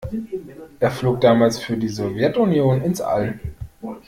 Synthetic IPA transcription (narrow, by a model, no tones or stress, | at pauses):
ʔeːɐfloːk̚d̥aːmaːlsfyːɐdiːzɔvjɛtʊnjoːnɪnsʔa̰l